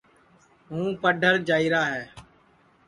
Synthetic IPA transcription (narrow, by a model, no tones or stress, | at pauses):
ɦũːpəɖʱəɾd͡ʒaːiːɾaːɦɛː